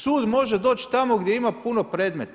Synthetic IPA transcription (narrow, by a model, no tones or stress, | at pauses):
suːd̪mo̞ʒed̪o̞ːt͡ʃt̪amoɡd̪jeimapunopɾeːd̪met̪